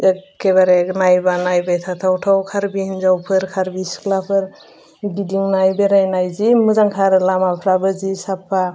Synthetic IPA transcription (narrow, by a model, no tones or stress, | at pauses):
keβaɾenajbanajbajt̪ʰat̪ʰawtʰawkʰaɾbihnzawpʰɯɾkʰaɾbisklapʰɯɾ | ɡidiŋnajbeɾajnajzimɯzaŋkʰaɾlamapʰɾabɯzisapʰːa